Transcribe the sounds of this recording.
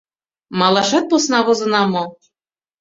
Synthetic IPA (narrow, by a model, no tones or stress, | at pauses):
mɑlˠɑʃɑt̪̚posnɑβɤ̆zɤ̆nɑmɤ̆